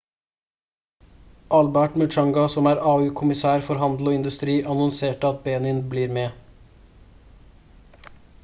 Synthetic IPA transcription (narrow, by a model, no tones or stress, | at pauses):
ʔɑlbæʈmʉt͡ʃɑŋɡɑsɔmæːɾɑːʉːkʰʊmɪsæːɾfɔɾɦɑnd̪l̩oːɪnd̪ʉst̪ɾiːʔɑnɔnseːʈɑt̪̚beːnɪnbliːɾmeː